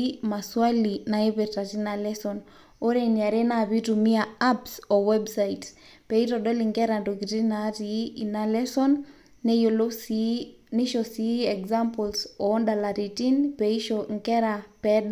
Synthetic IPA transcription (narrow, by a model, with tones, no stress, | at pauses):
ma˨swa˦li˨na˨e˦βɛ˨ta˨ti˦na˨lɛ˦sɔ˨n | o˦ɾenia˨ɾe˦naβi˦tu˨mi˦a˨a˦psɔ˨wɛ˦bsaits | pɛ˨i˦tɔɗɔ˦li˨ŋɡɛ˦ɾa˨ndo˨ki˨ti˦na˦ti˨˦ina˦lɛ˦sɔ˦nː | ɛjolo˦ | ni˦ʃɔ˨si˨˦ɛ˨kza˦mpɔlsɔ˨ɔ˦nda˨la˨ɾi˨ti˦npɛi˦ʃɔŋkɛ˦ɾa˨pɛɗa